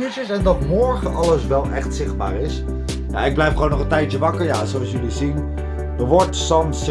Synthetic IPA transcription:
yt͡ʃəsɛndɑtmɔɹχənʔɑlˠəsʋɛlˠʔɛχtsɪχ̚ba̰ːɾɪs | na̰ɪɡ̚blɛjfχəwownɔχəntɛjt͡ʃəʋɑkəɹja̰ːzowɑsjylizin | dəɹʋɔɹtsɑms

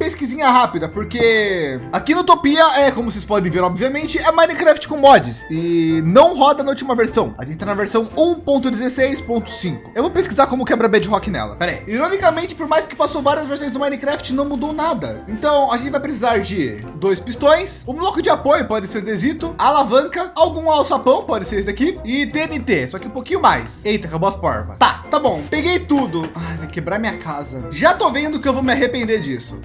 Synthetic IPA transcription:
peskizĩɲɐɦapid̪ɐpoɾkeakinʊt̪opiɐɛkõmʊsespɔd̪ẽveɾɔbviamẽnt͡ʃɪɛmajnikɾɛft͡ʃɪ̥kõmɔd͡ʒɪsɪnɐ̃w̃ɦɔd̪ɐnut͡ʃimɐveɾsɐ̃w̃ɐʒẽnt͡ʃɪt̪ajnɐveɾsɐ̃w̃ũpõnt̪ʊd͡ʒɪzesejspõnt̪ʊ̥sĩŋkʊ̥ewvowpeskizaɾkõmʊkɛbɾɐbɛd͡ʒɪɦɔkɪnɛ̰lɐ̰pɛɾḛjiɾonikɐmẽnt͡ʃɪ̥poɾmajskɪ̥pasowvaɾiɐzveɾsõj̃zd̪ʊmajnikɾɛft͡ʃɪnɐ̃w̃mud̪ownad̪ɐẽnt̪ɐ̃w̃aʒẽt͡ʃɪvajpɾes̬izaɾd͡ʒɪ | d̪ojspist̪õj̃sũlokʊd͡ʒɪapojʊpɔd͡ʒ̪ɪseɾũd̪ezit̪ʊalavɐ̃ŋkɐawɡũawsʊapɐ̃w̃pɔd͡ʒɪseɾes̬ɪd̪akiɪɪt̪enɪt̪esɔkɪũpokĩɲʊmajsejt̪akaboɐspɔ̰ɾvɐ̰t̪a̰t̪abõw̃peɡejt̪ud̪ʊajvajkebɾaɾmĩɲɐkazɐ̰ʒat̪ovẽnd̪ʊkɪewvowmɪaɦepẽnd̪eɾd͡ʒisʊ̥

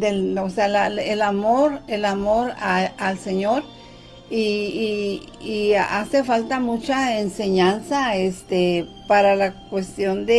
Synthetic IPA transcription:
d̪elosealaelamoɾelamoɾaalseɲoɾ | i | iasefalt̪amut͡ʃaenseɲansaest̪epaɾalakwest̪jond̪e

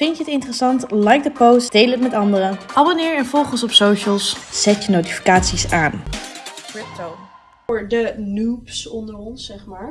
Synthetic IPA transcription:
fɪntəətɪntərəsɑntlɛjk̚dəpowsd̥ejlətmɛtɑndəɾəʔɑbonɪːɹɛnfɔlˠχənsɔpsowʃəlˠsz̥ɛtjənowti̥fi̥kaːtsisaːn | kɹɪp̚tow | ɹdənupsɔndəɹɔnsɛχmaːɹ

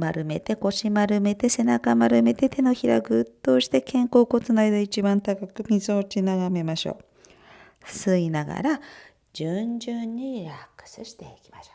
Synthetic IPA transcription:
maɾɯ̟me̞t̪e̞ko̞ɕimaɾɯ̟me̞t̪e̞se̞nakamaɾɯ̟me̞t̪e̞t̪e̞no̞çiɾa̰ɡɯ̟t̪ːo̞ːɕi̥t̪e̞kẽ̞ŋko̞ːko̞t͡sɨnaid̪ait͡ɕibãnt̪akakɯ̟mʲizɨot͡ɕinaɡame̞maɕo̰ː | sɨinaɡa̰ɾa | d͡ʑɨɲd͡ʑɨɲːiɾakːɯ̥sɨɕi̥t̪e̞ikʲi̥maɕo̥

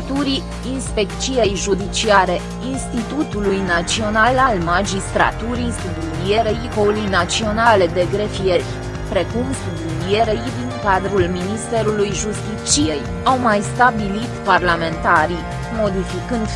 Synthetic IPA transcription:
t̪uɾi | inspe̞kt͡ʃije̞jʒud̪it͡ʃiaɾe̞ | inst̪it̪ut̪ulujnat͡ʃio̞nalalmad͡ʒist̪ɾa̰t̪uɾisublulie̞ɾeikolujnat͡ʃio̞naled̪e̞ɡɾe̞fije̞rʲ | pɾe̞kumsubulie̞ɾejd̪iŋkad̪ɾulminist̪e̞ɾulujʒust̪it̪t͡ʃije̞j | awmajst̪abilit̪parlame̞nt̪aɾi | mo̞d̪ifikɨnd̪

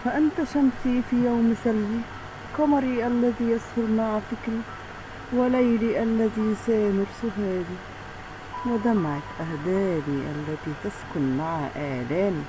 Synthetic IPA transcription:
faʔɪnt̪aʃamsifijaːmsalːi | kɑmɑɾˤiʔalːaðijashʊlmaʕfɪkɾi | wɪlajliʔalːaðisajamʊɾsʊɦaːd̪i | wɪd̪amaʕat̪ʔahd̪aːbiʔa̰lːat̪it̪askʊnmaʕaʔaːlaːni

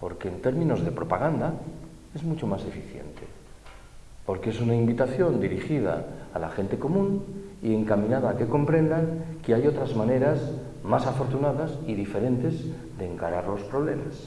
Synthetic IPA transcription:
po̞ɾke̞ːnt̪e̞ɾmĩno̞zðe̞pɾo̞paɣ̞and̪a | e̞zmut͡ʃo̞mase̞fiθje̞̰nt̪e̞̰ | po̞ɾkee̞sunaimbit̪aθjo̞nd̪iɾixið̞a̰ːlaxe̞nt̪e̞ko̞mũnie̞ŋkamĩnaðaːke̞ko̞mpɾe̞nd̪aŋkeajo̞t̪ɾazmane̞ɾas | masafo̞ɾt̪unaðasiðife̞ɾe̞nt̪e̞z | ðe̞ːŋkaɾaɾlo̞spɾo̞β̞le̞mas

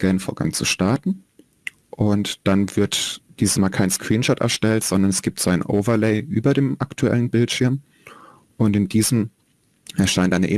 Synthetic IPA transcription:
ɛlənfoːɐɡa̰ŋt͡sṵʃtaɐtn̩ | ʔʊntd̥anvɪɐtd̥iːzəsmaːlkʰaɪnskʁ̥iːnʃɔtɛ̰ɐʃtɛltz̥ɔndɐnɛsɡ̥iːptz̥oaɪnʔo̰ʊvɐleɪʔyːbɐdeːmʔaktʰuɛ̰lənbɪltʃɪɐm | ʔʊntɪndiːzəm̩ | ʔɛɐʃaɪntʔaɪnə̰ʔɪ

